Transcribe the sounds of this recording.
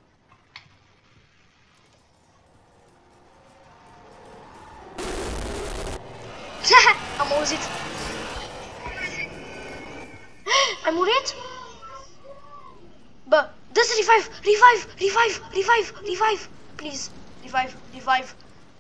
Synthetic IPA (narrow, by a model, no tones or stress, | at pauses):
amauzit̪ | ajmuɾet̪u̥ | ba | d̪azɾivajvurivajvurivajvurivajvu̥rivajvu̥ | plizrivajvurivajvu̥